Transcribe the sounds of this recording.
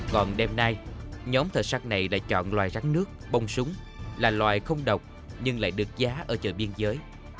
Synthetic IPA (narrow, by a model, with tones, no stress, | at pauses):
kɔ˨˩nɗɛ˧mnaː˧jɲɔ˨˦mt̪ʰəː˨˩jsaː˧t̚na˨˩jla̰ː˧˨jt͡ɕɔ̰˧˨nlwaː˨˩jza˨˦ŋnɨ˦˥ək̚ɓə˧wŋ͡msʊ˨˦ŋ͡m | laː˨˩lwaː˨˩jxə˧wŋ͡mɗə˨˩wk͡p̚ | ɲɨ˧ŋla̰ː˧˨jɗɨ˨˩ək̚zaː˨˦ʔəː˧˩t͡ɕə̰ː˧˨˩jɓi˧ənzəː˨˦j